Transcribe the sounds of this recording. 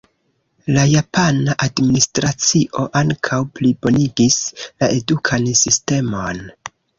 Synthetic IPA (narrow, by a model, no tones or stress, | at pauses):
lajapanaʔadministɾat͡siʔo̞ʔaŋkʰawplibo̞niɡislaʔe̞dukʰansiste̞mo̞n